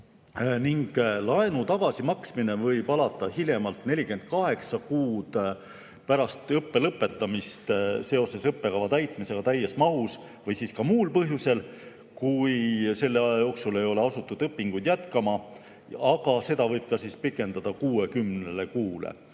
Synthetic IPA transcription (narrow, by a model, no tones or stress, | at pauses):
niŋɡ̥lɑenut̪ɑɡ̥ɑsimɑksmine̞vɤjpɑlɑt̪ːˑɑhilʲjemɑlt̪ne̞lʲike̞nd̪̥̚kɑɦe̞ksɑkuːd̪̥ | pæɾɑst̪ɤpːe̞lɤpːˑe̞t̪ːˑɑmist̪se̞o̞se̞sɤpːe̞kɑvɑt̪æjt̪ˑmise̞ɡ̥ɑt̪æjːesmɑɦus | vɤjsiːskɑmuːlpɤɦjuse̞l | kujse̞lːe̞ɑjjɑjo̞ːksule̞jo̞le̞ɑsut̪ːˑud̪̥ɤpːiŋɡujd̪̥jæt̪kɑmɑ | ɑɡ̥ɑse̞d̪̥ɑvɤjb̥̚kɑsiːspikːˑe̞nd̪ɑd̪̥ɑkuːe̞kymnnelekuːlḛ